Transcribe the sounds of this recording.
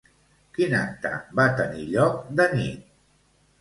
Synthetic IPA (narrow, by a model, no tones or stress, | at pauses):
kinak̚t̪ə̰bat̪əniʎɔk̚d̪ənit̪̚